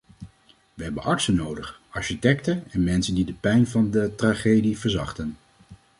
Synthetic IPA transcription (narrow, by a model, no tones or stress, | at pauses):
ʋəɦɛbənʔɑɹtsənowdəχɑɹʃitɛktəɛnmɛnsəndidəpɛjnvɑndətraχejdivəɹzɑχtən